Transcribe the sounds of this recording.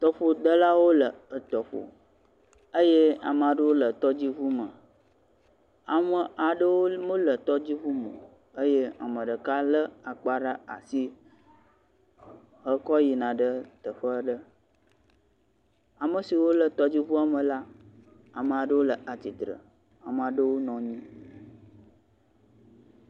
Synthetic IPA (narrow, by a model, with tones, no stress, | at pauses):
t̪ɔ˨ɸo˨d̪ə˦la˦wo˦lə˨ə˨t̪ɔ˨ɸo̰˨ | ə˦je˦a̰˨mə˨a˨ɖə˦wo˦lə˨t̪ɔ˦d͡ʑi˦vu˦mə˨ | a˨mə̃˨a˨ɖə˦wo˦mə̃˦lə˨t̪ɔ˦d͡ʑi˦vu˦mə̰˨ | ə˦je˦a̰˨mə̃˨ɖə˨ka˦lə˦a˨k͡pa˦ɖa˦a̰˨si˦ | ɦə˦kɔ˦ji˨nã˨ɖə˦t̪ə˨ɸə˦ɖə˦ | a˨mə˨si˨wo˦lə˨t̪ɔ˦d͡ʑi˦βu˦a˨mə̃˨la˦ | a˨mə˨a˨ɖə˦wo˦lə˨ʔa˨t̪i˨t̪ɾə̰˨ | a˨mə˨a˨ɖə˦wo˦nɔ̃˨ɲĩ˦